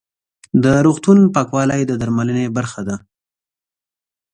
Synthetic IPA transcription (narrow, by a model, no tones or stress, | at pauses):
d̪əɾoɣt̪unpɑkwɑlajd̪əd̪aɾmalənebaɾxad̪a